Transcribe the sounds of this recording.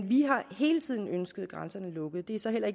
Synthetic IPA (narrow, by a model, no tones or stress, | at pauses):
nʋiɦɑ̈he̝ːlət͡sʰið̰ˠn̩ønsɡ̥əð̩ˠɡ̥ʁansɐnəlɔ̽ɡ̥ð̞̩ˠd̥e̝æɐsɒ̽ɦel̰ɐe̝ɡ